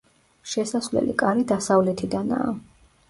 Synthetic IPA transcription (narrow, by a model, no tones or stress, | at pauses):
ʃɛsasvlɛ̰lḭkʼaɾid̪asavlɛt̪ʰid̪ana̰ː